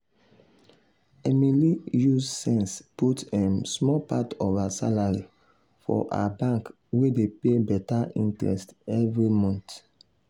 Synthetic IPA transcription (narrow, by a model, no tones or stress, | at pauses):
ɛmilijussɛ̃nsputãnsmɔpatɔvasa̰laɹi | fɔ̰ʔa̰abãŋk | wedepebɛtaʔḭ̃ntɹɛ̰stɛvɹimɔ̃nt